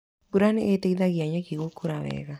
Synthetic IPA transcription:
buɾaneʔeteiðaɣiaɲakiɣokuɾawɛ̰ɣa

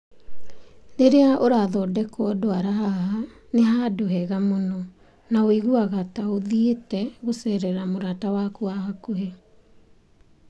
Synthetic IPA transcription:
neɾeaʔoɾaðɔdɛkoɔdoaɾaɦahaneɦadoɦɛɣamonɔ | naoiɣuaɣataoðietɛɣosɛɾɛɾamoɾatawakuaɦakoɦɛ

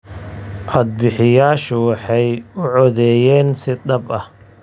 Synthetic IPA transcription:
ʔɑd̪̚bɪħɪjaːʃʊwɑħɑjʊʕɔðɛːjɛːnsɪd̪ɐbɐh

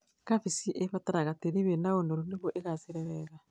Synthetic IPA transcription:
kafisiʔefataɾaɣateɾiβenaonoɾuneβoʔeɣaseɾɛɾɛɣa

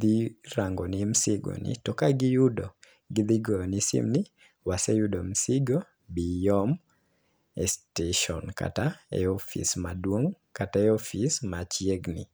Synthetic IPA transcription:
d̪iɾaŋɡɔnɪmsɪɡo̰nɪ̰tɔkaɡɪjudo | ɡɪd̪iɡɔjɔnisɪ̰mnɪ | wasɛjudomsɪɡo | bijɔm | ɛsteʃɔ̰nka̰taḛofḭsmadwoŋ | kataɛofismat͡ʃjeɡnɪ̰

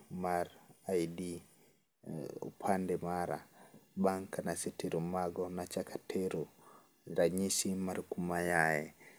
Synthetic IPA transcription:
maɾajdi | ṵpʰandɛmaɾa̰baŋkanasitiɾumaɡɔnat͡ʃakʰḁtʰeɾu | ɾaɲisimaɾkumajajɛ

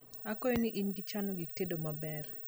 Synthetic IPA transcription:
akɔjoniʔinɡit͡ʃanoɡitedomabɛr

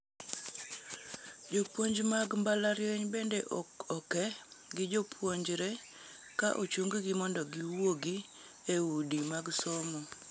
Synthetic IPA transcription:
d͡ʒopwoɲd͡ʒmaɡmbalaɾjeɲbendeʔɔkɔkɛɡɪd͡ʒopʰwoɲd͡ʒɾe | kaʔot͡ʃoŋɡɡɪmɔndɔɡiwoɡi | eudimaɡsomo

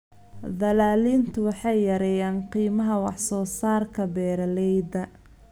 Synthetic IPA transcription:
d̪ɐlaːliːnt̪ʰʊwɑħɑjːɐɾɛjaːnqiːmɐɦɐwɑħsɔːsaːrkʰɐbɛːɾɐlɛjd̪ɐ

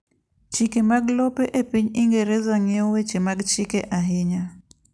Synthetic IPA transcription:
t͡ʃikemaɡlopeʔepiɲiŋɡeɾezaŋɛɔwet͡ʃemaɡt͡ʃikeʔaɦiɲa

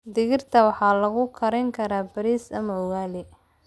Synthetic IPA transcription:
d̪ɪɣɪrt̪ʰɐwɑħɑːlɐɣʊkʰɐɾɛŋkʰɐɾaːbɐɾiːsɐmɐʊɣaːlɪ

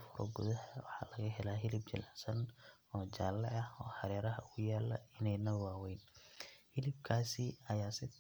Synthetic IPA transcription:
fʊɾɔ̰ɡʊ̰ðɐhwɑħɑ̰ːlɐɣɐɦɛlaːɦɪlɪb̚t͡ʃɐ̰laːsɐn | ɔːt͡ʃaːlːɐ̰ʕɐhɔːħɑɾɛːɾɐɦɐ̰ʊɣʊjaːlːɐ̰ɪnɛjnɐwaːwɛjnhɪlɪb̚kʰaːsɪɐjaːsɪ

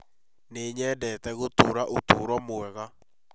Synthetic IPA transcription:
neɲɛːdɛtɛɣotoɾaʔotoɾɔmoɛɣa

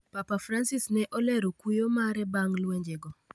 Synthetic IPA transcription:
papafɾansɪsnɛʔɔlɛɾokujomaɾɛbaŋlweɲd͡ʒeɡɔ

